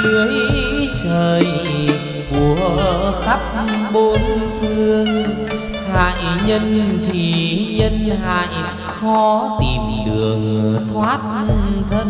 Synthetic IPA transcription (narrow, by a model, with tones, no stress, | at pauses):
nɨ˨˧˦əjjsəː˨˩j | ku˧˩əxa˦˥p̚ɓo˧nfɨ˧əŋ | ha̰ː˧˨jɲə˧nt̪ʰi˨˩ɲə˧nha̰ː˧˨j | xɔ˨˧˦t̪i˨˩mɗɨ˨˩əŋt̪ʰwaː˦˥t̚t̪ʰə˧n